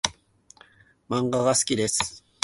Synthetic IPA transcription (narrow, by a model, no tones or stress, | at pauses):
mɑɴɢɑɢɑskɪɾes